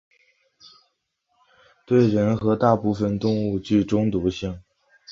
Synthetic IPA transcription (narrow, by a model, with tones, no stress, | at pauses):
t̪we˥˩ɪɻə˧˥nxɤ˧˥t̪a˥˧pu˥˧fə˥˩nt̪ʊ˥˧ŋu˥˧t͡ɕy˥˩ʈ͡ʂʊ˥ŋt̪u˧˥ɕi˥˩ŋ